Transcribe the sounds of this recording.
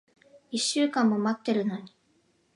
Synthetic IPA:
iɕːɨːkãmːo̞mat̪ːe̞ɾɯ̟no̞ɲ̟i̥

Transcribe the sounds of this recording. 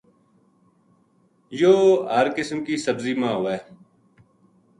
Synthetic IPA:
joːɦəɾkɪsmkiːsəbziːmãːɦoːɛː

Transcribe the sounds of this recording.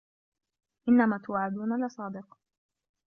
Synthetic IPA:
ʔɪnːamaːt̪ʊwʕad̪uːnalɪsˤɑːd̪ɪq

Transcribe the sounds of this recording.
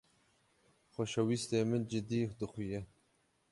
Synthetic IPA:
xʷoʃɐwist̪eːmɨnd͡ʒɪd̪iːd̪ɨxʷujɛ

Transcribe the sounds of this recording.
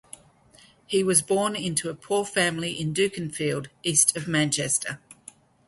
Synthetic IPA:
hiwɒzbɔːnɪ̃ntʰuəpʰuːfæ̃mliʔɪ̃ndʉˑkə̃nfiːlˠdiˑstʰəvmæ̃nt͡ʃɛstʰə

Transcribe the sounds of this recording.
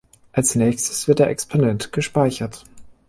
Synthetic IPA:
ʔalsnɛːçstə̥sv̥ɪɐt̚d̥eːɐʔɛkspʰonɛntɡ̥əʃpaɪçɐt

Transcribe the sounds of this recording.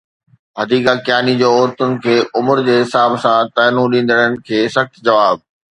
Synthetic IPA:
ɦɐd̪iːkakjaːnid͡ʑoːɔːɾt̪ʊnɪ̆kʰeːʔʊmʊɾd͡ʑeːɦɪsaːbsãt̪aːnũɗĩːn̆d̪əɽ̃ənɪ̆kʰeːsɐxt̪d͡ʑɐʋaːb̚

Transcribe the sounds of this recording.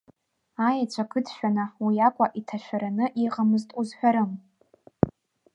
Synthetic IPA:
ajat͡ɕʷʰakʰɨdʃᶣanawijakʷʼaʔitʰaʃᶣaɾanɨʔiqʼamɨztʼuzħʷᶣaɾɨm

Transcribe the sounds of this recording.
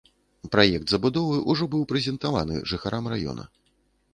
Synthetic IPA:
pɾajɛk̚t̪zɐbud̪ɔvɨʔuʐɔbɨwpɾɛzʲɛnt̪ava̰nɨ̰ʐɨxaɾʔamrajɔ̰nɐ̰

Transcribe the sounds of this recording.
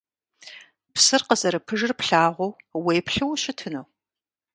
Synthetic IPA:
psɨrqəzɐɾɨpʰɨʒɨrpɬaːʁʷow | weːjpɬɨwʃɪtʰɨnow

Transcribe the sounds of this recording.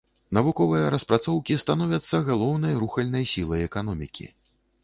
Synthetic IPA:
nɐvukɔvɨjɐɾɐspɾat̪sɔwkʲist̪anɔvʲɐt̪sːɐɣalˠɔwnɐjɾuxɐlʲnɐjsʲilˠɐjɛkan̪ɔmʲikʲḭ

